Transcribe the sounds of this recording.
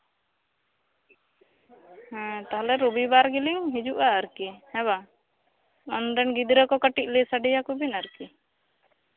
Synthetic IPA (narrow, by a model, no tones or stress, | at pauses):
hɛ̃t̪aɦalɛɾubibaɾɡiliŋɦid͡ʒuʔaəɾkihɛ̃ba | ɔnd̪ɛnɡid̪ɾəkɔkəʈiʔ̚ˀlɛsaɖijakubinaɾki